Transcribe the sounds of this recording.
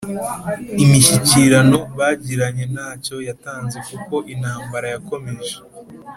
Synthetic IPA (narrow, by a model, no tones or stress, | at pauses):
imiʃiciɾano̞βaːɟiɾaɲe̞naːco̞jataːnze̞kuko̞ʔinhaːmbaɾajako̞me̞ʒe